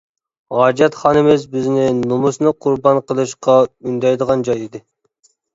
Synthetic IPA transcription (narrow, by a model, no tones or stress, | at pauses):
ʁɑːd͡ʒɛt̪χɑnɨmɪzbɪznɪnumusnɨqʰʊɾbɑnqʰəlˠɨʃqɑynd̪ɛjd̪əʁɑnd͡ʒɑjid̪ɪ